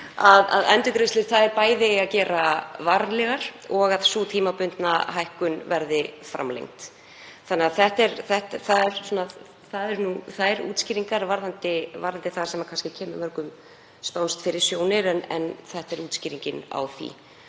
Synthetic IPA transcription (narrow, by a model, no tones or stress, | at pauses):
aða̰ðɛnt̪ʏkɾest̪lɪɾ̥θaðɛɾpaːjðɪacɛːɾavaɾlɛɣaɾ̥ɔɣaðsuːt̪ʰiːmapʏnt̪naɦajhkʏnvɛɾðɪfɾa̰mlḛjŋt̪ | θanːɛːaθɛht̪ɛɾθɛht̪θaðɛɾ̥sɔnað | θaðɛɾnuθaðɛɾṵːt̪sciːɾiŋkaɾvaɾðant̪ɪva̰ɾðant̪ɪθaðsɛmakʰanscɪcʰɛːmɪmœɾkʏm | sp̪awnst̪fɪɾɪɾ̥sjoːwnɪɾɛnɛ̰nθɛht̪ɛɾuːt̪sciːɾiɲcɪna̰wθḭ